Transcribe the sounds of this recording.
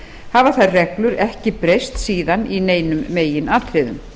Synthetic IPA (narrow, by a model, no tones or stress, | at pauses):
havaθaðrɛklʏɾɛhcɪpɾejst̪siːðanineːjnʏmːeːjɪnaːt̪ʰɾɪːðʏ̰m